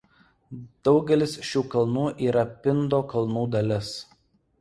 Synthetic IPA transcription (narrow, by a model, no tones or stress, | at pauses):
d̪̥ɒʊɡʲɛlʲɪsʃʲuːkɐlˠnuːʔiːɾɐpʲɪnd̪oːkɐlˠnuːd̪ɐlʲɪs